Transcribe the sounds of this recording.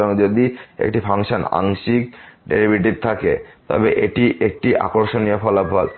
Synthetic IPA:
oŋd͡ʑod̪iḛk̚ʈipʰaŋʃona̰ŋʃik̚ɖeɾibʱiʈ̬iɾ̚t̪ʰakḛt̪ɔ̰beʔeʈiʔek̚ʈiʔa̰koɾʃoniofɔlabʱal

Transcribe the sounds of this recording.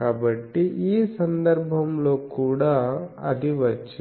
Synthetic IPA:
kaːbɐʈːiʔiːsɐnd̪ɐɾbʱɐmlo̞ːkuːɽaːɐ̰d̪iʋɐt͡ʃːi

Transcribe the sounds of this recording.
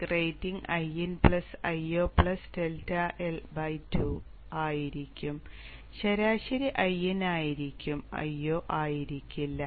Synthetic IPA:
kreːjtːiŋɡɐjenpɭɐsɐjoːpɭɐsdeltɐʔelbɐjtʰu | aːjiɾikʲːum | ɕɐɾaːɕɐɾiʔɐjenaːjiɾikʲːumɐ̰joːʔaːjiɾikʲːilːɐ

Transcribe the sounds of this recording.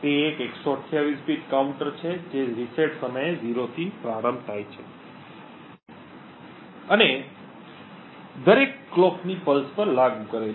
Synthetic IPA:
t̪eːkeksoəʈʰːjaʋispiʈkauɳʈəɾt͡ʃʰed͡ʒeɾiseʈsəməjeziɾot̪ʰipɾaɾə̃mbt̪ʰajt͡ʃʰe | əne | d̪əɾekːlɔknipəlspəɾlaɡukəɾe

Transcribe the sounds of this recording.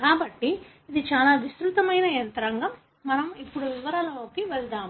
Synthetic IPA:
kaːbɐʈːi | id̪it͡ʃaːlaːʋist̪ɾut̪ɐmɐjnɐjɐnt̪ɐɾɐŋɡɐmː | ɐnɐmipːuɽuʋiʋɐɾaːlɐoːkiʋɛld̪aːm

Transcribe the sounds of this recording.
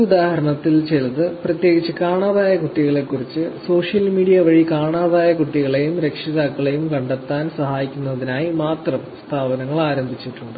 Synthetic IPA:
ud̪aːhɐɾɐɳɐt̪ːilt͡ɕeɻt̪ːɨprɐt̪je̞ːɡit͡ɕːɨkaːɳaːðaːjɐkuʈːiɣɐɭe̞kːurit͡ɕːɨso̞ːʂjɐlmiːɽijɐʋɐɻikaːɳaːðaːjɐkuʈːiɣɐɭe̞jumɾe̞kʂiðaːkːɐɭe̞jumkɐɳɖet̪ːaːnsɐhaːjikʲːunːɐðinaːjimaːt̪rɐmst̪ʰaːbɐnɐŋːɐɭaːɾɐmbʱit͡ɕːiʈːuɳɖɨ

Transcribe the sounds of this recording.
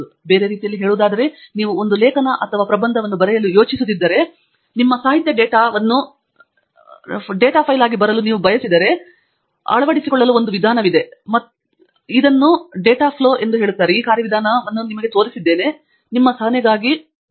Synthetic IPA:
be̞ːɾe̞ɾiːt̪ijɐlːiɦeːɭuːd̪aːd̪ɐɾe̞niːʋuond̪ulɛːkɐnɐʔɐt̪ʰɐʋaːpɾɐbɐnd̪ʱɐʋɐnːubɐɾɛjɐlujo̞ːt͡ʃisud̪id̪ːɐɾe̞ | nimːɐsaːɦit̪jɐɖeːʈaːʋɐnːu | ɖeːʈaːpʰɐjlaːɡibɐɾɐluniːʋubʱɐjɐsid̪ɐɾe̞ | ɐ̰ɭɐʋɐɽisikɔɭːɐluo̞nd̪uʋid̪ʱaːnɐʋid̪e̞mɐ | id̪ɐnːuɖeːʈaːpʰloːʔe̞nd̪uɦe̞ːɭut̪ːaːɾeiːkaːɾjɐʋid̪ʱaːnɐʋɐnːunimɐɡet̪o̞ːɾisid̪ːe̞ːne̞ | nimːɐsɐɦɐnjɐɡaːɡi

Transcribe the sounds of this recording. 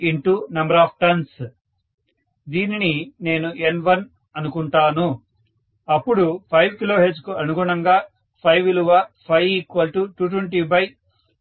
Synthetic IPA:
iɳʈunɐmbɐɾaːp̚ʰʈɐns | d̪iːninine̞ːnuʔenʋɐn | ɐnukuɳʈaːnu | ɐpːuɽupʰɐjʋkiloːɦeɾskuɐnuɡuːɳɐŋɡaː | pʰɐjʋiluʋapʰɐjikʋɐlʈuʈuːʈ̬weɳʈiːbɐj

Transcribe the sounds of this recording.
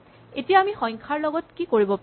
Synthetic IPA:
etijaːmixɔjŋkʰaɹlɔɡɔtkikoɹibɔp

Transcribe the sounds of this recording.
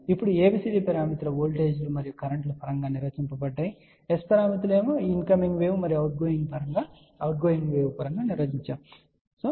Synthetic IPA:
ipːuɽueːbisidipɐɾaːmit̪lɐʋoːlʈeːd͡ʒlumɐɾijukɐɾɐɳʈlɐpʰɐɾɐŋɡaːniɾʋɐt͡ʃimpɐbɐɖːɐji | espɐɾaːmit̪̬ule̞ːmoːinkɐmiŋɡʋeːwumɐɾijuɐwʈ̚ɡoːjiŋɡpʰɐɾɐŋɡaː | ɐwʈ̚ɡoːjiŋɡʋeːwupɐɾɐŋɡaːniɾʋɐt͡ʃiɲt͡ʃaːm | soː

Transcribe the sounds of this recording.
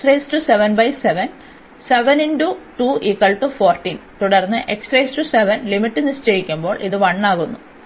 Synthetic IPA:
rejstuseʋɐnbɐjseʋɐn | seʋɐninɖuʈuːʔikːɐɭʈufo̞ːrʈːint̪uɽɐrnːɨʔeksʈresʈuseʋɐnlimiʈːinːɨɕt͡ɕɐjikʲːumbo̞ːɭʔiðɨʋɐɳːaːɣunːu

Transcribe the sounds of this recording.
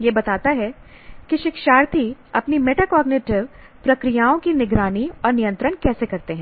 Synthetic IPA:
jebɐt̪aːt̪aɦɛ | kiʃɪkʃaːɾt̪ʰiɐpnimeːʈakɔːɡnɪʈɪʋ | pɾɐkɾɪjaːõkinɪɡɾaːniɔːɾnijə̃nt̪ɾəɽ̃kɛːsekɐɾt̪eɦɛ̃ː

